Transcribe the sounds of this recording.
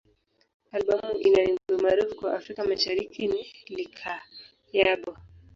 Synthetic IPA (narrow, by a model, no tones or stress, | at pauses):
alɓamuʔinaiŋɡuɛmaɾufukwaʔafɾikamaʃaɾikʰinilikʰa | jaɓɔ